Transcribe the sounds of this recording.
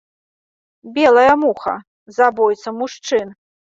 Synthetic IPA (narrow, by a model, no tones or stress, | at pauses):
bʲɛlˠɐjɐmuxɐ̰ | zabɔjt̪sɐmuʂt͡ʂɨn